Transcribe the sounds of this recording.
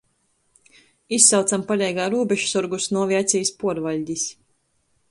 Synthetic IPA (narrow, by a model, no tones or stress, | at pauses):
isːawt̪ampalʲɛjɡaːɾuːbɛʃsuɾɡusnuɔvʲiat̪sʲijspuɔɾvaʎʲd̪ʲis